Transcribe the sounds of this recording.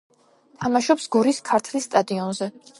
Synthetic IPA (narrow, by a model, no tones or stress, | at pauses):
t̪ʰamaʃɔpsɡɔɾiskʰaɾt̪ʰlisːt̪ʼad̪iɔnzɛ